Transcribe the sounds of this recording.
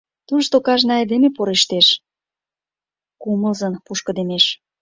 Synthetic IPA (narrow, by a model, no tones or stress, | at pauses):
t̪uʃt̪okɑʒnɑed̪emepoɾeʃt̪eʃ | kumə̆lzənpuʃkə̆d̪emeʃ